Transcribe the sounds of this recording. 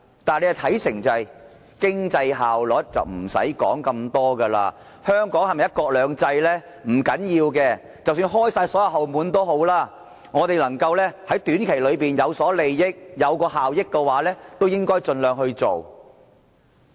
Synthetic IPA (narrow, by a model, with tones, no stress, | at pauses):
t̪aː˨nle˧jɐ˨˩t̪ʰɐ˨˥jsɪ˨˩ŋt͡sɐ˨ɐ˨˩j | kɪ˥ŋt͡sɐ˧jɦaː˨wlɔ˨˥t̚t͡sɐ̰˨wm̩˨˩sɐ̰˨˥jkɔ̰ː˨˥ŋkɐ˧mt̪ɔː˥ɡə˧la̰ː˧ | hœː˥ŋkɔː˨˥ŋhɐ˨jmɐ˨jɐ˥t̚kɔː˧k̚lœː˨˧ŋt͡sɐ˧jlɛː˥ | m̩˨˩kɐ˨˥njiː˧wkɛː˧ | t͡sɐ˨˩wsyː˧nɦɔː˥jsaː˧jsɔː˨˥jɐ˨˧wɦɐ˨˩wmuː˨˧nt̪o˥wɦo˨˥wlaː˥ | ŋɔː˨˧t̪e˨jlɐ˨˩ŋkɐ˧wlɛː˥hɐ˨˥jt̪yː˨˥nkʰe˨˩jlɵ˨˧ɥpiː˨˩njɐ˨˧wsɔː˨˥le˨jːɪ˥k̚jɐ˨˧wkɔː˧ɦaː˨wjɪ˥kːɛ˧waː˨˥lɛː˥t̪o˥wjɪ˥ŋkɔː˥jt͡ʃɵ˧nlœː˨ŋhɵ˧ɥt͡so˨˩w